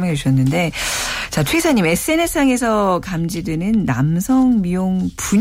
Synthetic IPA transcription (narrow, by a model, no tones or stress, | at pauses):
maet͡ɕuɕ͈ʰʌnːɯnde̞t͡ɕat͡ɕʰwesʰaɲime̞s͈ɯe̞ne̞s͈ʰaŋe̞sʰʌkamd͡ʑidenɯnːa̰msʰʌŋmijoŋpuɲ